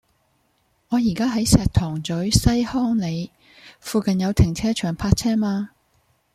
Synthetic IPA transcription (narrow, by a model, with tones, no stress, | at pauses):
ŋɔː˨˧jiː˨˩kaː˥ɦɐ˨˥jsɛː˧t̪ʰɔː˨˩ŋt͡sɵ˨˥ɥsɐ˥jhɔː˥ŋle˨˧j | fuː˧kɐ˨njɐ˨˧wt̪ʰɪ˨˩ŋt͡sʰɛː˥t͡ʃʰœː˨˩ŋpʰaː˧t̚t͡sʰɛː˥maː˧